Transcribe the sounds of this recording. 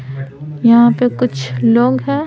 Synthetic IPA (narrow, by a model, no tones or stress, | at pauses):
jɐɦãpekʊt͡ʃʰloːɡɦɛ̃ː